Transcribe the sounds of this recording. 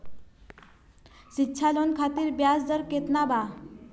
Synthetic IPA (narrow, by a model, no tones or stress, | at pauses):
ɕitːɕʰalonkʰat̪iːɾbjasd͡z̪əɾket̪naba